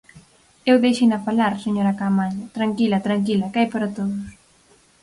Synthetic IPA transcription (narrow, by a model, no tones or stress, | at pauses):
ewðejʃinɐfalaɾseɲoɾakamaʎat̪ɾaŋkilɐt̪ɾaŋk̬ilɐkajpaɾat̪oðʊs